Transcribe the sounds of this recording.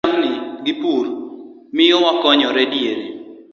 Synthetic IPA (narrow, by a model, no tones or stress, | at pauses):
mnɪɡɪpuɾ | mɪjɔwakɔɲɔɾɛdjeɾe